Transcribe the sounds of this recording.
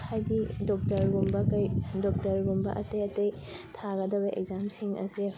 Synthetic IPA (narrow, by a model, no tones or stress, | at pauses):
hajdidɔk̚tɐɾɡumbɐkɐjdɔk̚tɐɾɡumbɐ̰ʔɐtejɐtej | tʰaɡɐdɐbɐʔḛkzamsiŋɐ̰si